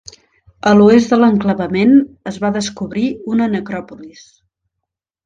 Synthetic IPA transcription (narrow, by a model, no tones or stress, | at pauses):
əluezðələŋkləβəmenəzβaðəskuβɾiunənəkɾɔpulis